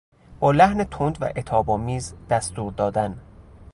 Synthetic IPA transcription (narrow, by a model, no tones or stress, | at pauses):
b̥ɒːlæhnet̪ʰond̪væ̰ʔet̪ʰɒːbɒːmiːzd̪̥æst̪uːɾd̪ɒːd̪æn